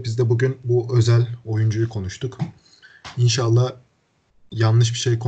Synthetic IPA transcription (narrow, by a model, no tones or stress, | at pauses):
bizd̪ɛbuɟynbuʔø̞zælʲo̞jund͡ʒujukʰo̞nuʃt̪ʰuk | inʃalˠːa | janˠːɯʃ̬biʃe̞jkʰo